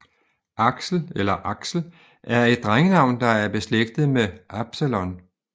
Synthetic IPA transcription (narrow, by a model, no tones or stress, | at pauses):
ʔɑ̈ɡ̥sl̩elɐʔɑ̈ɡ̥sl̩ | ʔæɐe̝d̥̚ːʁaŋənɑ̈ʊ̰nd̥ɑ̈æɐb̥e̝sleɡ̥̚d̥ð̞̩ˠmeʔɑ̈b̥sælɔ̽n